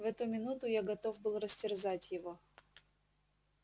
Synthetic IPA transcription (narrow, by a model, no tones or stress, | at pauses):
vɛt̪ʊmʲɪnut̪ʊjaɡɐt̪o̞vbɨlˠrəsʲtʲɪrzatʲjɪvo̞